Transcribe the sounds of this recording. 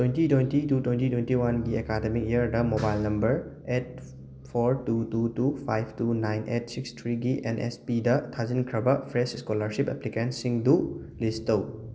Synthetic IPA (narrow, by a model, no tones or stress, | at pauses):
twentitwentitutwentitwentiwanɡiekademikejəɾdɐmobajlnɐmbɐɾ | et̚ | pʰoɾtututupʰajp̚ʰtunajnʔet̚sikstʰɾiɡiʔenʔespidɐtʰazinkʰɾɐbɐpʰɾesiskolɐɾsipḛplikensiŋdu | listɐw